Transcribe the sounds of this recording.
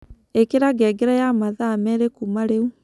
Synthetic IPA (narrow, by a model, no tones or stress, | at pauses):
ekeɾaɡɛɡɛɾajamaðamɛɾekumaɾeu